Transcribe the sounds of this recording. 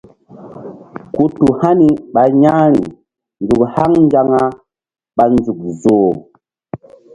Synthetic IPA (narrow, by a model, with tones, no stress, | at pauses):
ku˦tu˨ha˦ni˨ɓa˨ɲa˦nḭ˨ | nd͡zu˨kha˦ŋnd͡ʒa˦ŋa˦ | ɓa˨nd͡zu˨k̚zo˨